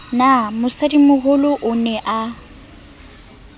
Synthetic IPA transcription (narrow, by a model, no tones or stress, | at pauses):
namʊsadimʊɣʊlʊʔʊnɛʔa